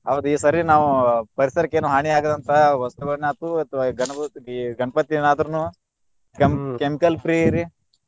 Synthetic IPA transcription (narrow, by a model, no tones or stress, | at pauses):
ɐʋd̪uiːsɐɾinaːʋupɐɾisɐɾɐkːeːnuɦaːɳiaːɡɐd̪ɐnt̪ʰɐɐʋɐst̪uɡɐɭneɐt̪uɐt̪ʋaɡɐnɐiɡɐɳɐpɐt̪ːienaːd̪ɐɾɐnu | kmkemikɐlpɾiːiɾi